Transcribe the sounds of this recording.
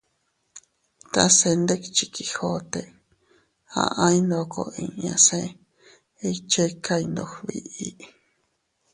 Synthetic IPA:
t̪a˧se˧nd̪e˦ki̥˧t͡ʃi˧ki˧ho˦t̪e˧˨ | ã̰˧ʔã˦ĩ˦nd̪o˧ko̰˧ĩ˧ã̰˧sẽ˧ | i˧t͡ʃe˦ka˧i˧nd̪o˧hβi˧ʔi˦

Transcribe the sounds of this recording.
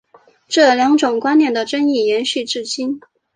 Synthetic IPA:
ʈ͡ʂɤ˥˩ljɑ˧˥ŋʈ͡ʂʊ˨˩ŋkwa˥njɛ˥˩nd̪ə˩ʈ͡ʂə˥ni˥˩jɛ˧˥nɕy˥˧ʈ͡ʂɻ̩˥˩t͡ɕi˥n

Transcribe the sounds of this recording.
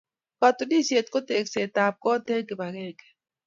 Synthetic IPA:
ka˨t̪o˨di˦sie˨t̪̚ko˦t̪e˨kse˨t̪a˨p̚kɔ˦t̪e˦ke˨ba˨ɣeː˦˨ke̥˨

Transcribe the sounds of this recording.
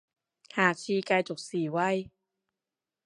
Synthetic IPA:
haː˨˩t͡ɕʰiː˧kaː˧jt͡ɕo˨˩k̚siː˨˩˦wa˧˥˩j

